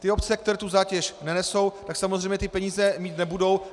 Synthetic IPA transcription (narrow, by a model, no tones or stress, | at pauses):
t̪ɪo̞p̪t͡sɛkt̪ɛɾɛt̪uzaːcɛʃnɛnɛso̞wt̪aksamozrɛjmɲɛt̪ɪpɛɲiːzɛmiːt̪nɛbudo̞w